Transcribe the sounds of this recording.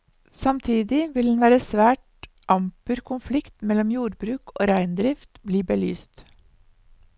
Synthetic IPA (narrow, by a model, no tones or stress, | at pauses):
sɑmt̪ʰiːd̪ɪʋɪld̪n̩ʋæːɾəsʋæːʈ | ʔɑmpʉɾkʰʊnflɪkt̪mɛlɔmjuːɾbɾʉːko̰ːɾæɪnd̪ɾɪft̪bliːbəly̰ːst̪